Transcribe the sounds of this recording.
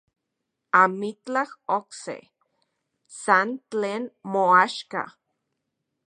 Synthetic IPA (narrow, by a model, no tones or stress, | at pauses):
amit͡ɬahoksḛ | sant͡ɬeːnmoaʃka̰